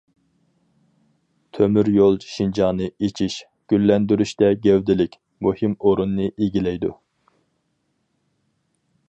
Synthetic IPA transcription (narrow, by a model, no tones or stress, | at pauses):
t̪ʰømyɾjolˠʃind͡ʒɑnɨet͡ʃʰiʃ | ɡ̥ʲylːɛnd̪yɾyʃt̪ɛɡʲɛwd̪ɪlɪkʲ | muhimoɾunːɨʔeɡʲilɛjd̪ṵ